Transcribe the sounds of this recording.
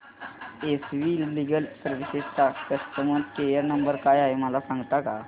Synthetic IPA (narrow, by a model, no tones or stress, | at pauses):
esʋiliɡəlsəɾʋisetakəst̪əməd̪kejəɾnəmbəɾkajaɦeməlasãŋɡt̪aka